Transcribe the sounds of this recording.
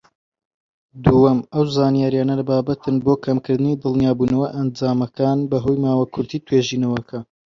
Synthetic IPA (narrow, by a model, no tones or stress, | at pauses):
d̪uɐmɐwzaːnijaːɾjaːnɐlɐbaːbɐt̪ʰɨnbokʰɐmkɨɾd̪ɨnid̪ɨlˠnijaːbuːnɐwɐʔɐnd͡ʒaːmɐkʰaːnbɐɦoːjmaːwakʰʊɾt̪ʰiːt̪ʰweːʒiːnɐwɐkʰɐ